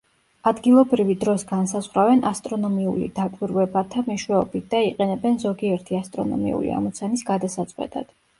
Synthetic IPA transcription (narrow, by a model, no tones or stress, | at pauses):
ad̪ɡilˠɔbɾivid̪ɾɔsɡansazʁɾavɛnʔast̪ʼɾɔnɔmiulḭd̪akʼwiɾwɛbat̪ʰamɛʃwɛɔbit̪̚ʰd̪aiqʼɛnɛbɛnzɔɡiɛɾt̪ʰiast̪ʼɾɔ̰nɔ̰mḭṵlḭa̰mɔt̪sʰanisɡad̪asat̪sʼqʼwɛ̰t̪ʼa̰d̪̥